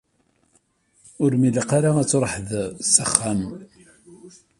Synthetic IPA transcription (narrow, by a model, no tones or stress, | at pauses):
ʊɾmiləqaɾaæt͡sːɾˤħəðsəχːæm